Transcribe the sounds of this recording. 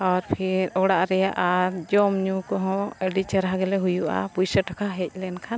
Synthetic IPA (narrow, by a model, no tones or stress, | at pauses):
ɔɾpʰiɾɔɽaʔɾɛjaʔaɾd͡ʒɔmɲukɔɦɔ̃ɛɖit͡ʃəɾɦaɡɛlɛɦujuʔa̰pujsəʈakʰaɦɛc̚ˀlɛnkʰan